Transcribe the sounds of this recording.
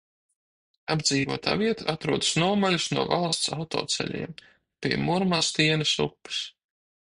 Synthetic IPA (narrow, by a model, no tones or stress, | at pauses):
abd̪ziːvuɔt̪a̰ːviɛt̪aʔat̪ɾuɔd̪ḁsnuɔmalusnuɔvalˠst̪sawt̪ɔ̰ːt̪sɛ̰lʲḭɛm | pʲiɛmuɾmaːst̪iɛnɨsṵpːɨ̥s